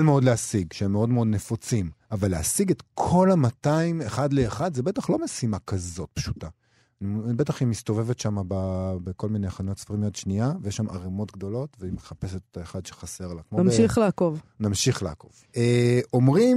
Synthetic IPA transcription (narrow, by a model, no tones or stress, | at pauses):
lmeo̞dleasiɡʃeemːeo̞dmeo̞d̪ne̞fot͡simavalːeasiɡet̪kʰo̞lamataimeχad̪leːχad̪zebet̪aχlo̞mesimakazo̞t̚pʃu̥ta | nibet̪aχimist̪o̞ve̞vetʃamababeko̞lmineaχanotsfʁimijot̪ʃniavejeʃːama̰ʁemo̞t̪ɡ̚d̪o̞lo̞tveimeχapeset̪etaeχad̪ʃe̥χase̞ʁlakmomiχleakovnamʃiχlea̰ko̞̰v | eo̞mʁim